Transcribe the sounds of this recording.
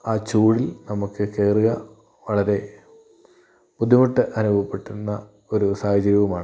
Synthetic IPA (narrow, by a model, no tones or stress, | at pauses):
aːt͡ɕuːɽilnɐmukːɨke̞ːruɣɐ | ʋɐɭɐɾe̞ | pud̪ʱːimuʈːɨʔɐnubʱɐpːe̞ʈːunːɐ | o̞ɾusaːhɐd͡ʑɐɾjiʋɐmaːɳɨ